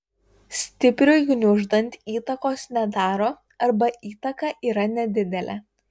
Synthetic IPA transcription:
sʲt̪ʲɪpʲɾʲʊjʊnʲʊʒd̪ɐnʲt̪ʲiːt̪ɐkoːsnʲɛd̪ɑːɾoː | ɐɾbɐʔiːt̪ɐkɑʔiːɾɐnʲɛd̪ʲɪd̪ʲɛlʲɛ̰

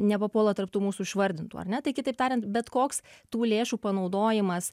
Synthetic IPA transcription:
nʲɛpɐpoːlˠɐt̪ɐrp̚t̪uːmuːsuːɪʃʋɐɾʲd̪ʲɪnt̪uːɐ̰rʲnʲɛt̪ɐɪkʲɪt̪ɐɪpt̪ɑːɾʲɪnt̪bʲɛt̪koːkst̪uːlʲeːʃuːpɐnɐʊd̪oːjɪmɐs

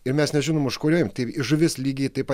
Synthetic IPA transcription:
ɪɾmʲɛsnʲɛʒʲɪnoːmʊʃkoːɾʲoːjomt̪ɐɪɪʒʊʋʲɪslʲiːɡʲiːt̪ɐɪpɐ

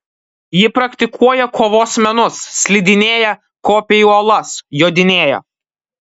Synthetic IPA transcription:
jɪpɾɐkʲt̪ʲɪkʰuɔjɛkʰoːʋoːsmʲɛnʊssːʲlʲɪd̪ʲɪnʲeːjɛ | koːpʲejuːɐlˠɐsjoːd̪ʲɪnʲeːjɛ̰

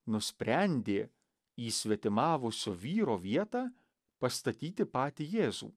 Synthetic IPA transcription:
nʊsʲpʲɾʲɛnʲd̪ʲeː | iːsʲʋʲɛt̪ʲɪmɑːʋʊsʲoʋʲiːɾoːʋʲiɛt̪ɑː | pɐst̪ɐt̪ʲiːt̪ʲɪpɑːt̪ʲijeːzṵː

